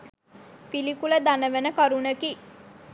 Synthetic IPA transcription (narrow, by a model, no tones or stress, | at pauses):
pilikuləd̪anəʋenəkaɾunəki